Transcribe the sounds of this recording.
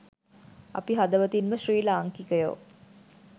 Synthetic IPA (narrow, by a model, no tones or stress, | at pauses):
ɐ̰piɦad̪əʋət̪inməʃriːlaːŋkikəjo̰ː